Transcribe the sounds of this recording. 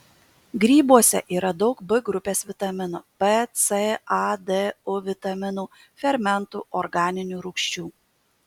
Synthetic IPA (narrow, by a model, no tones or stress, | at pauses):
ɡɾʲiːbuɔsʲɛ̰ʔiːɾɐd̪ɒʊkbɨɡɾʊpʲeːsʋʲɪt̪ɐmʲɪnuːpet̪seɐd̪eʊʋʲɪt̪ɐmʲɪnuː | fʲɛɾʲmʲɛnt̪ṵːʔɔɾɡɑːnʲɪnʲuːɾʊːkʃʲt͡ʃʲuː